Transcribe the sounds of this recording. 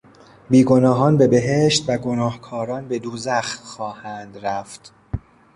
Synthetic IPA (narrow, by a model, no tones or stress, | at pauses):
biːɡo̞nɒːɦɒːnbe̞be̞ɦeʃt̪væɡo̞nɒːhkʰɒːɾɒːnbe̞d̪uːzæxt̪xɒːhænd̪ɾæft̪